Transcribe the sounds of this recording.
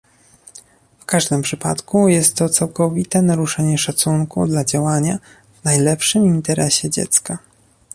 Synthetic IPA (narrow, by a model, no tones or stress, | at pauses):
fkaʐd̪ɘmpʂɘpa̰t̪kujɛst̪ːɔt̪sawkɔvʲit̪ɛnaɾuʂɛɲɛʂat̪suŋkṵd̪lad͡ʑawaɲa | vnajlɛpʂɘmint̪ɛɾɛɕɛd͡ʑɛ̰t̪ska